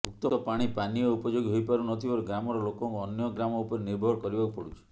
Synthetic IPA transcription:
bʱuk̚t̪ɔɔpaɽ̃ipanijɔupɔd͡ʒoɡɦojpaɾunɔt̪ʰibɔɾuɡɾamɔɾɔlokɔŋkuɔnjɔɡɾamɔupɔɾeniɾbʱɔɽkɔɾibakupɔɽut͡ʃʰi̥

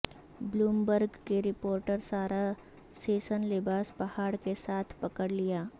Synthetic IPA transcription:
bluːmbəɾɡkeɾɪpoːɾʈəɾsaːɾa | seːʃənlɪbaːspɐhaːɽkesaːt̪ʰpɐkəɽlijaː

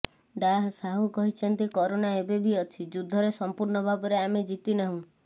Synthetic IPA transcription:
ɖaɦsaɦukɔɦit͡ʃʰɔnt̪ikɔɾonaebebiɔt͡ʃʰid͡ʒud̪ʱːɔɾesɔmpuɾɳɔbʱabɔɾeamed͡ʒit̪inaɦũ

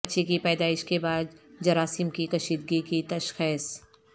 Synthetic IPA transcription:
tːʃʰekipɛːd̪aːɪʃkebaːd̪d͡ʒɐɾaːsɪmkikɐʃiːd̪ɡikit̪ɐʃxɛːs

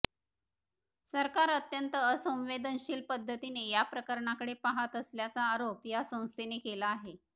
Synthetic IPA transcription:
səɾkaɾət̪jənt̪əːsə̃w̃ʋed̪ʱənɕiːlpəd̪ʱːət̪inejapɾəkəɾɳakəɽepaɦat̪əsljat͡saːɾopjasə̃w̃st̪ʰenekelaːɦe

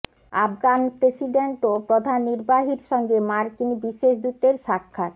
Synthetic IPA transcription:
afɡanpɾesiɖeɳʈopɾod̪ʱanːiɾbaɦiɾʃɔŋɡemaɾkinbiʃeʃd̪ut̪eɾʃakʰːat̪

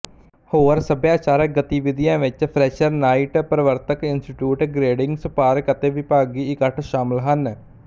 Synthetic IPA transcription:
hoːɾsəbjãːt͡ʃaːɾək̚ɡət̪iːʋɪd̪ijãːʋɪt͡ʃpʰɾɛːʃəɾnaːiʈpɾəʋəɾt̪əkɪnsʈɪʈjuːʈɡɾeːɖɪ̃ŋɡsəpaːɾəkət̪eːʋɪpaːɡiːɪkəʈʰʃaːməlɦən

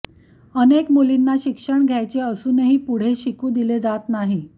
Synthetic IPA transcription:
ənekmulinːaɕikʂəɳɡʱjajt͡seəsuːneɦiːpuɽ̤eɕikũːd̪iled͡zat̪naɦi

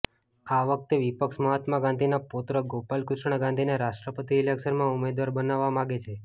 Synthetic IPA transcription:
aʋək̚t̪eʋipəkʃməɦat̪maɡãnd̪ʱinapot̪ɾəɡopalkʊʃɳ̃ɡãnd̪ʱineɾaʃʈɾəpət̪iːlekʃəɾmãumed̪ʋaɾbənaʋːamãɡet͡ʃʰe

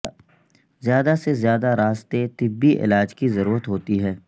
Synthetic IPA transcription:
zjaːd̪asezjaːd̪aɾaːst̪et̪ɪbːiʔɪ̰laːd͡ʒkizɐɾuːɾət̪ɦoːt̪iɦɛː

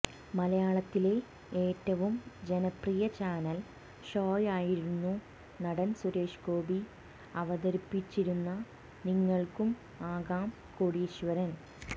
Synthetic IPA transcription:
mɐlɐjaːɭɐt̪ːile̞ | eːtːɐʋumd͡ʑenɐprijɐt͡ɕaːnɐl | ɕoːjaːjiɾunːu | nɐɽɐnsuɾe̞ːʂko̞ːbi | ɐʋɐðɐɾipːit͡ɕːiɾunːɐ | niŋːɐɭkum | aːɣaːm | koːɽiɕʋɐɾɐn

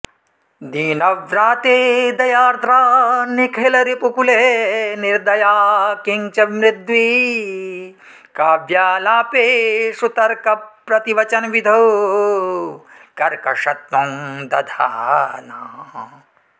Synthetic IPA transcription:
d̪iːnɐʋɾaːt̪eːd̪ɐjaːɾt̪ɾaːnikʰelɐɾipukuleːniɾd̪ɐjaːkiŋt͡ʃɐmɾɪd̪ʋi | kaːʋjaːlaːpeːsut̪ɐɾkɐpɾɐt̪iʋɐt͡ʃɐnʋid̪ʱɐw | kɐɾkɐʃɐt̪mɐmd̪ɐd̪ʱa̰ːnaː

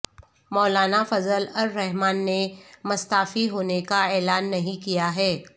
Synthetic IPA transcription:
mɔːlaːnafɐzəlɐɾːɛɦmaːnːemɐst̪aːfiɦoːnekaɛːlaːnːɐɦĩkijaɦɛː

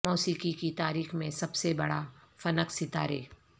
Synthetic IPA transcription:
ɔːsiːkikit̪aːɾiːxmẽsɐbsebɐɽafɐnəksɪt̪aɾḛː

